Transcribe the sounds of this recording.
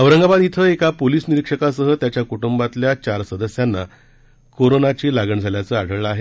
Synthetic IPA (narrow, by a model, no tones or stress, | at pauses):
əʋɾəŋɡabad̪it̪ʰəekapoliːsniɾikʂəkasəɦət̪jat͡ɕjakuʈumbat̪ljat͡ɕaɾsəd̪əsjanːa | koɾonat͡ɕiːlaɡəɳd͡zʱaljat͡səːaɽ̤ʱəɭɭaɦe